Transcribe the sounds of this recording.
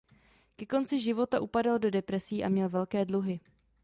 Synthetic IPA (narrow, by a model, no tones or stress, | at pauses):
kɛko̞nt͡sɪʒɪvo̞t̪aʔupadaldo̞dɛpɾɛsiːʔamɲɛlvɛlkɛːdluɦɪ